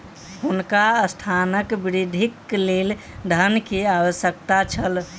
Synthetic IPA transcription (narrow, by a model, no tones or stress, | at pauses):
ɦunkaəst̪ʰanəkbiɾid̪ʱiklel | d̪ʱənkiawəsjəkt̪at͡ʃʰəl